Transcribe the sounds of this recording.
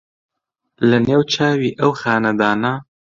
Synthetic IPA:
lɐneːwt͡ʃʰaːwiːʔɐwxaːnɐd̪aːnɐ

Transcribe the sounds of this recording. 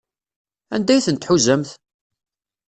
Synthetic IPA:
ænd̪æjθənt̪ħuzːəmθ

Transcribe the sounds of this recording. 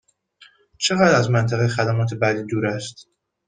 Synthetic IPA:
t͡ʃʰe̞ɣæːd̪ɾæzmænt̪ʰæɣexæd̪æmɒːt̪ʰe̞bæd̪iːd̪uːɾæst̪

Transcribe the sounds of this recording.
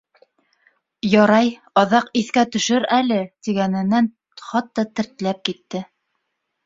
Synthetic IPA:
jɑɾɑj | ɑðɑqiθkæt̪ɵ̆ʃɘɾælɘt̪iɡænɘ̆nːæn | χɑt̪ːɑt̪ɘ̆ɾt̪ɘ̆læp̚kit̪ːɘ

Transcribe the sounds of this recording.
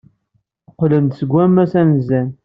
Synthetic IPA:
qːlənd̪səɡʷːæmːæsænzæn

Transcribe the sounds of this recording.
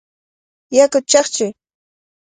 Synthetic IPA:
jakʊt͡ʃɑχt͡ʃʊ

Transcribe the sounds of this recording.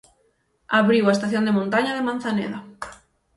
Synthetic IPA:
aβɾiwaest̪aθjond̪emõnt̪aɲaðemãn̟θanḛða

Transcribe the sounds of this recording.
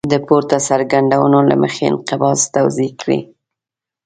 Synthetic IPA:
d̪əpoɾt̪asaɾɡaɳɖawənola̰mə̰xeɪ̰nqɪbɑst̪awzikɽḭ

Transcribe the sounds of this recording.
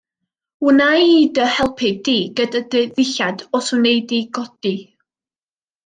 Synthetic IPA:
ʊnajiːdəhɛlˠpʰɨdiːɡədadeðɪɬadɔsunejdiɡɔd̥i

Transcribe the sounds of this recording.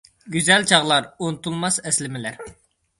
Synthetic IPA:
ɡʲyzɛlt͡ʃʰɑʁlˠɑɾunɨt̪ʰulˠmɑsɛslɪmɪlæɾ

